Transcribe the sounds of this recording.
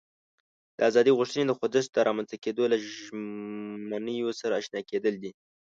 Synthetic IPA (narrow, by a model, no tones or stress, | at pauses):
d̪̥əazɑd̪iɣʊʂt̪əned̪əxod̪əst̪̚d̪əɾɑmanzt̪aked̪ola | manəjosaɾaːʃnɑked̪əld̪i